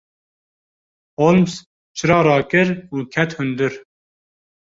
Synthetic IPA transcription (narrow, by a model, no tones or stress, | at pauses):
holms | t͡ʃʰɨɾɑːɾɑːkɨɾuːkʰɛt̪hʊnd̪ɨɾ